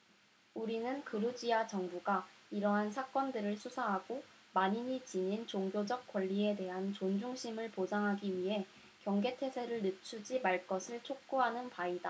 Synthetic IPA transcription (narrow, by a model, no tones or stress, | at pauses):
uɾinɯnkɯɾud͡ʑiat͡ɕʌŋbuɡaiɾʌɦansʰak͈ʌndɯɾɯɭsʰusʰaɦaɡ̥o | maɲiɲit͡ɕiɲint͡ɕoŋɡjod͡ʑʌk̚k͈wʌʎːie̞de̞ɦant͡ɕond͡ʑuŋɕʰimɯɭpod͡ʑaŋɦaɡiɥiɦe̞ | kjʌŋɡe̞tʰe̞sʰe̞ɾɯɭnɯt͡ɕʰud͡ʑimaɭk͈ʌsʰɯɭt͡ɕʰok̚k͈uɦanɯnpaida